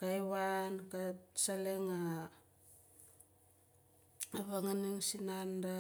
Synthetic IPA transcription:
kajβankasaleŋa | aβaŋaniŋsinanda

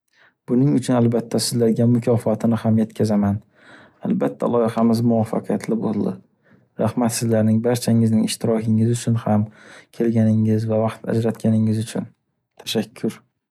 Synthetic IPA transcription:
b̥ʊnɪŋʊt͡ʃʰʊnalbat̪ʰːasɪzlaɾɡʲamʊkʲʰɒfɒt̪ʰɪnɪhamje̞t̪kʲʰazaman | albat̪ʰːa̰lˠɒjɪqɑmɪzmʊwafːɑ̰qʰijat̪ʰlɪbo̰lˠd̪ɪ | ɾahmat̪sɪzlaɾnɪŋbaɾt͡ʃʰaŋɪznɪŋɪʃt̪ʰɪɾɒkʰɪŋɪzʊt͡ʃʰʊnhamkʲʰe̞lɡʲanɪŋɪzvavɑqt̪a̰d͡ʒɾat̪kʲʰanɪŋɪzʊt͡ʃʰʊn | t̪ʰḁʃakʲʰːʊɾ

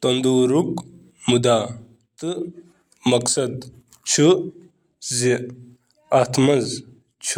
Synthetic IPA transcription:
t̪ɐnd̪uːɾuk | mud̪a | t̪ɨ | mɐksɐd̪ | t͡ʃʰu | zi | at̪ʰmɐz | t͡ʃʰu

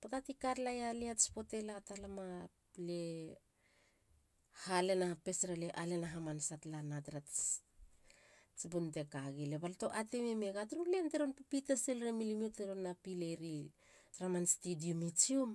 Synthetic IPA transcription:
patatikaɾlajaliatspo̞te̞latalama | le | hale̞nape̞sɾaleʔale̞naɦamansatlanatɾat | t͡ʃibunte̞kaɡileβalto̞ʔatememeɡatɾulenteɾonpipitaselɾemilimioteɾonːapileɾi | tɾamanstidiumit͡ʃium

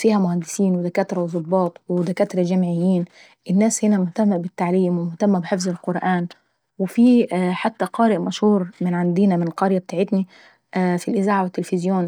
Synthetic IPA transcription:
fiːhæmʊhænd̪ɪsiːnwɪd̪ækæːt̪ɾˤɑwzˤʊbːɑːt̪ˤwɪd̪ækæːt̪ɾˤɑd͡ʒæmʕɪjːiːn | ʔɪnːæːshɪnæmʊht̪æmːæbɪt̪ːaʕliːmwɪmʊht̪æmːæbɪħefzɪlqʊɾˤʔæːn | wɪfiːħat̪ːæqɑːɾɪʔmæʃhuːɾmɪnʕand̪iːnæmɪnqɑɾjæb̚t̪aːʕɪt̪ni | ʔfilʔɪzaːʕawɪt̪ːelfɪzjoːn

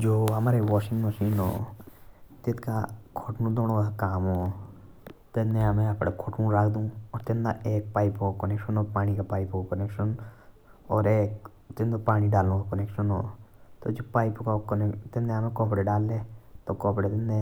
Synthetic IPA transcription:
d͡ʒoːɦɐmaːɾeʋɔːʃɪ̃ŋɡməʃiːnɦo̰ː | t̪ɪt̪ka̰kʰoːʈnũd̪oːñokakaːmɦoː | t̪enːeəmẽɐpɽekʰoːʈũːɾakʰd̪ũːɔːɾt̪ɪnd̪a̰eːk̚paːɪpokakəneːkʃənɦoːpaːnikapaːɪpkakənekʃən | ɔːɾeːk | t̪ɪnd̪opaːniɖaːlũkakəneːkʃənɦo̰ːt̪od͡ʒoːpaːɪpkakːt̪ɪnd̪eɦəmẽkɔːpɽeɖaːlːet̪okɔːpɽet̪ɪnd̪e

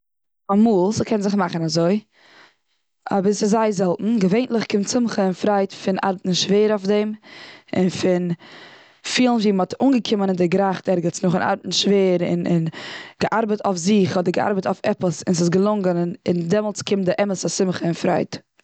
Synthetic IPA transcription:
amuːlˠsɪkʰɛnzɪχmaχənazoɪ | a̰bəsɪzaɪzɛlˠtn̩ɡəveɪntlˠɪχkɪmtt͡sɪmχəɪnfɾaɪtfɪnʔa̰ɾbətn̩ʃveːɾoʊfdɛmɪ̰nfɪn | fiːlˠn̩viːmɔtuːŋɡəkʰɪmənɪndɪɡɾaχtɛɾɡət͡snʊχɪna̰ɾbətn̩ʃveːəɾɪ̰nɪ̰nɡ̥əʔaɾbətafzɪχɔdəɾɡəa̰ɾbətaʊfɛpəsɪns̬ɪs̬ɡəlˠʊŋɡənɪndɛmɔlˠt͡skʰɪmdɪʔɛməsasɪmχəɪnfɾa̰ɪt

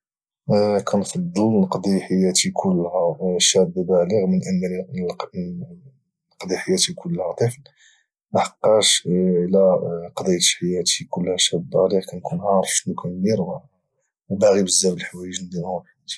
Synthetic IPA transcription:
kʰænfɑd̪ˤːəlnəqd̪ˤiħajːæt̪ikʰʊlːhæʃæb̪bæləɣmənʔənː | nːəqd̪iħajːæt̪ikʰʊlːhæt̪ˤəfl | maħɑqːɑʃʕlæqɑd̪ˤijt̪ħajæt̪ikʊlːhæʃæb̪̚bæləɣkænkunhɑɾˤʃnukʰænmiɾæ | baɣibəzːæwəlħwæjəʒnd̪iʊbħit̪i̥

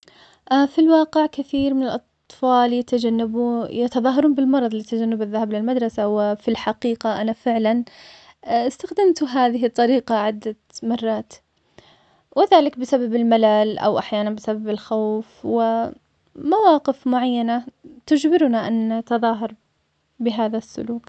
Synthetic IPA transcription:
ʔafilwɑːqɪʕkaθiːɾmɪnɪlʔɑt̪ˤfɑːljat̪ad͡ʒanːabjat̪ɑðˤɑːɦɑɾˤuːnbɪlmɑɾˤɑðˤliːt̪ad͡ʒanːɪbaðːahablɪlmad̪ɾˤɑsawɪfilħaqiːqaʔanafɪʕlan | ɪst̪axd̪amt̪ɦaːðɪɦɪt̪ˤːɑɾiːqaʕɪd̪ːa | mɑrˤːɑːt̪ | wɪðaːlɪkbɪsababɪlmalaːlʔa̰wʔaħjaːnanbɪsababɪlxawfwɪ | mawɑːqɪfmʊʕajːanat̪ʊd͡ʒbɪɾʊnaʔant̪ɑðˤɑːɦɑɾˤ | bɪɦaːðasːʊ̰luːk

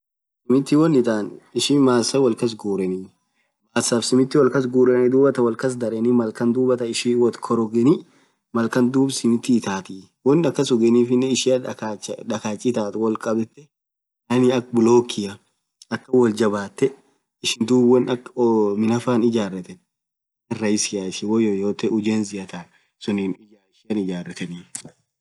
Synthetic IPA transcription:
sɪmɪt̪ːɪwɔnɪt̪aːnɪʃimaːsːɐwɐlkɐs̬ɡuːɾɛniː | maːsːaːfsɪmɪt̪ːɪwɐlkɐs̬ɡuːɾɛnɛd̪uːbɐt̪ɐwɐlkɐs̬d̪ɐɾɛnimɐlkɐnd̪uːbɐt̪ɐɪʃiːwɔt̪kʰɔɾɔɡɛni | mɐlkɐnd̪uːbsɪmɪt̪ːɪːt̪aːt̪i | wɔnːɐkːɐsɔɡɛniːfɪnːɛɪʃɪɐat͡ʃᶑɐkaːt͡ʃʼːɪt̪aːt̪wɐlkʼɐbɛt̪ːɛ | nɐnɪɐkbʊloːkːɪjɐ | ɐkːɐwɐld͡ʒɐbaːt̪ːɛ | ɪʃɪnd̪uːbwɐnɐkɔmɪnɐfaːnɪd͡ʒaːrːɛt̪ɛn | ɪrɐjɪsɪjaɪʃɪwɔjojoːt̪ɛʊd͡ʒeːnzɪʔɐt̪aːn | sʊnin | ɪʃɪɐnɪd͡ʒaːrːɛt̪ɛniː

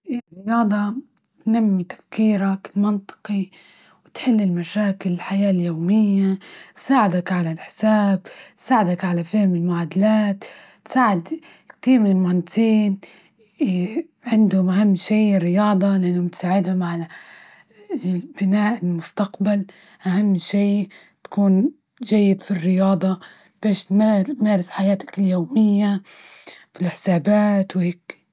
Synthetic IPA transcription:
rːɪjɑːd̪ˤɑ | t̪namːit̪ḁfkiːɾaklmɑnt̪ˤɨ̥qi | wɪt̪ħɪlːɪlmaʃaːkɪlɪlħajaːljoːmɪjːat̪saːʕɪd̪akʕalalʔɪħsaːb̪ | saːʕɪd̪akʕalafɪhɪmɪlmʊʕaːd̪alaːt̪ː | saːʕɪd̪ | kt̪iːɾmɪnɪlmant̪ʰiːn | ʕɪnd̪hʊmʔahamːʃiːrːɪjɑːd̪ˤɑlɪʔɪnːhʊmɪt̪saːʕɪd̪hʊmaʕa | bɪnaːʔɪlmʊst̪aqbal | ʔaɦamːʃiː | t̪ḁkuːn | d͡ʒajːɪd̪firːɪjɑːd̪ˤɑ | b̥eːʃmamaːɾɪsħajaːt̪ḁkɪljoːmɪjːa | filħɪ̥saːbaːt̪wheːk

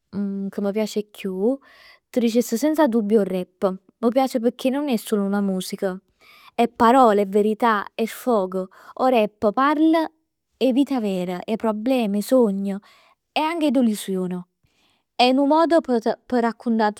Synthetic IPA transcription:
kəmːəpjaːt͡ʃekʰːju | t̪əd̪it͡ʃesəsɛnsad̪ubːjorːɛpːə | məpjaːt͡ʃep̬əɾkʰːenːonɛsːoːlounamuːsikə | ɛpːaɾɔːleɛvːeɾit̪aɛfːɔːɡo | oɾɛpːəpaɾlə | ɛviːt̪avɛːɾəʔɛpːɾoblɛːmisoɲːə | ɛaŋked̪olisjoːnə | ɛnumːɔːd̪op̪pəɾakʰːunt̪a

